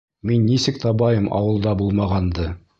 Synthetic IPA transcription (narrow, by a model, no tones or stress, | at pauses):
minːisɘkt̪ɑbɑjɤmɑ̰wɤ̆lˠd̪ɑbulˠmɑʁɑnd̪ɤ